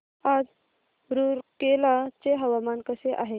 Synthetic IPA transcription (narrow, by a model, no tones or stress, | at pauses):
ad͡z | ɾuɾkelat͡seɦəʋamankəseʔaɦe